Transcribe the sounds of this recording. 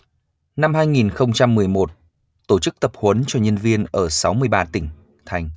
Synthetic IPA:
na˧mhaː˧jŋi˨˩nxə˧wŋ͡mt͡ɕa˧mːɨ˨˩əjmo˨˩t̚ | t̪o˧˩t͡ɕɨ˦˥k̚t̪ə˨˩p̚hwə˨˦nt͡ɕɔ˧ɲə˧nvi˧ənʔəː˧˩sa˨˦wmɨ˧əjɓaː˧t̪ï˧˩ŋ̟ | t̪ʰa˧jŋ̟

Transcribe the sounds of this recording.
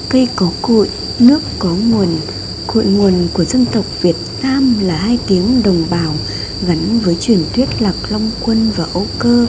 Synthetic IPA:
kə˧jkɔ˨˦ko̰˧˨j | nɨ˦˥əkːɔ˨˦ŋ˨˩ən | ko̰˧˨jŋu˨˩ənku˧˩əzə˧nt̪ə˨˩wk͡p̚vi˨˩ət̚naː˧mlaː˨˩haː˧jki˨˦əŋɗə˨˩wŋ͡mɓaː˨˩w | ɣa˨˦nvəː˨˦jt͡ɕwi˧˨˩ənt̪ʰwi˦˥ət̚laː˨˩p̚la˧wŋ͡mkwə˧nvaː˨˩ʔo˧kəː˧

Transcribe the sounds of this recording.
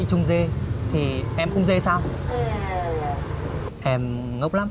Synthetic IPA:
t͡ɕʊ˧ŋ͡mze˧t̪ʰi˨˩ʔɛ˧mkʊ̰˧˥ŋ͡mze˧saː˧w | ʔɛ˧m | ŋə˦˥wk͡p̚la˦˥m

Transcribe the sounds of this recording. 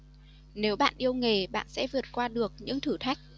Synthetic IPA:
ne˨˦wɓa̰ː˧˨nʔi˧əwŋe˨˩ɓa̰ː˧˨nsɛ̰˧˥vɨ˨˩ət̚kwaː˧ɗɨ˨˩ək̚ɲɨ̰˧˥ŋt̪ʰɨ˧˩t̪ʰa˦˥jk̟̚

